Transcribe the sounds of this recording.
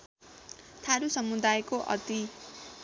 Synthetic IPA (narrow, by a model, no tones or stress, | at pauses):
t̪ʰaɾusʌmud̪ajkoʔʌ̰t̪i